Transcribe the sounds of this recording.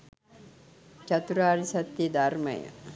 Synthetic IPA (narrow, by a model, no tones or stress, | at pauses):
t͡ʃɐt̪uɾaːɾisɐt̪jid̪ʱɐɾmɐ̰jɐ̰